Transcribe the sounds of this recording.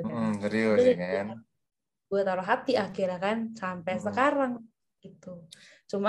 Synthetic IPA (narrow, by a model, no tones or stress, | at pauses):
t̪əɾioŋana | ɡuɛt̪aɾoɦat̪iʔakɪɾakansampɛsəkaɾaŋ | ɡit̪u | t͡ʃuma